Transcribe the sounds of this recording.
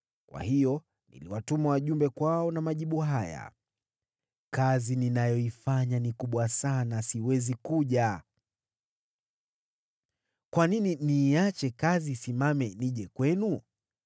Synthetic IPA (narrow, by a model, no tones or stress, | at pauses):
kwa̰hijɔ | nḭliwatumawaʄumbɛkwaɔnamaʄiɓuɦaja̰ | kazininajɔifaɲanikuɓwasanasiwɛzikuʄa | kwanininiːat͡ʃɛkaziːsimamɛniʄɛkwɛnu